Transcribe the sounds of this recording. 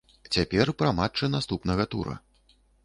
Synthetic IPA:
t͡sʲapʲɛrpɾɐmat͡ʂːɨnast̪upnɐɣɐt̪ṵɾɐ̰

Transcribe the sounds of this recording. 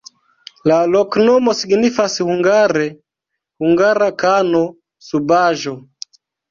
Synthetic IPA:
lalɔknɔmɔsiɡnifasihuŋɡaɾɛ | huŋɡaɾakanɔ | subaʒɔ

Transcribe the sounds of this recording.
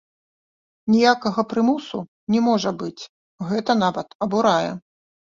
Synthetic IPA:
nʲijakɐɣɐpɾɨmusṵ | nʲɛmɔʐɐbɨt͡sʲ | ɣɛt̪ɐnavɐt̪ɐbuɾajɛ̰

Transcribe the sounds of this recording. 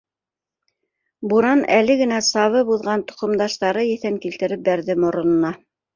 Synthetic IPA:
buɾɑnælɘɡɘ̆næsɑβɤbuðʁɑnt̪ŏ̥qŏmd̪ɑʃt̪ɑɾɤjɘ̆θæŋkilt̪ɘ̆ɾɘp̚bæɾðɘmŏɾŏnɤ̆nɑ

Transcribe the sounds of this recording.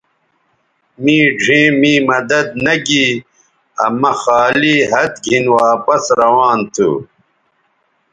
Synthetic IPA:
mĩːɖʱẽːmĩːmɐd̪ɐd̪̚nɐɡiː | ɐ̰mɐxaːliːɦɐt̪̚ɡʱinwaːpɐsɾɐwaːnt̪ʰṵ

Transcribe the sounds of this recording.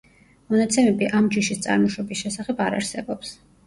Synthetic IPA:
mɔnat̪sʰɛmɛbiʔamd͡ʒiʃist̪sʼa̰ɾmɔʃɔbisʃɛsaχɛbaɾa̰ɾsɛbɔps

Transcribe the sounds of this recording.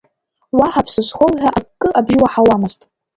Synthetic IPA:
waħapʰsɨsχʷowħʷᶣaʔakʼːɨʔabʒɪwaħawamɨztʼ

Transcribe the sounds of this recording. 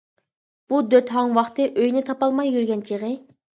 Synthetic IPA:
b̥ud̪øt̪ɦɑŋwɑχt̪ɨʔøjnɪt̪ʰɑpɑlˠmɑjːyɾɡʲɛnt͡ʃʰiʁɨ

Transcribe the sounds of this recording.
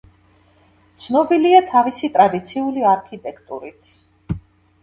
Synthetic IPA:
t̪sʰnɔbiliat̪ʰavisit̪ʼɾad̪it̪sʰiuliaɾkʰit̪ʼɛkʰt̪ʼṵɾit̪ʰ

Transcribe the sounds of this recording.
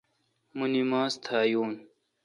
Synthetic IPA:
munimaːst̪ʰaːjuːn

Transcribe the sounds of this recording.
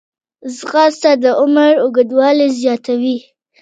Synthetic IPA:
zɣɑst̪ad̪əʔʊməɾʊɡəd̪wɑlezjɑt̪awi

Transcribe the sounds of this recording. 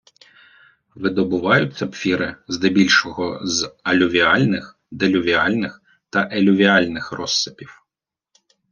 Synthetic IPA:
ʋɪd̪ɔbʊʋɑjʊt͡sʲːɐpfʲiɾɪznɪbʲilʲʃɔɦɔzɐlʲʊʋʲiɑlʲnɪx | d̪elʲʊʋʲiɑlʲnɪx | t̪ɐʔelʲʊʋʲiɑlʲnɪxrɔsːɪpʲiw

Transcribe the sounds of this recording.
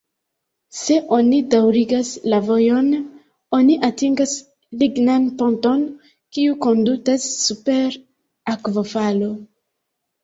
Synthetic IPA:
se̞ʔo̞nidawɾiɡaslavo̞jo̞n | o̞niʔatiŋɡas | liɡnanpo̞nto̞n | kiuko̞ndutasːupe̞ɾ | akvo̞falo̞

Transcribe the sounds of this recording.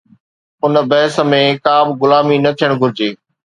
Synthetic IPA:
ʊnə̆bɐɦɪsə̆mẽkaːbɡʊlaːminɐt̪ʰijəɽ̃ɡʱʊɾɪd͡ʑeː

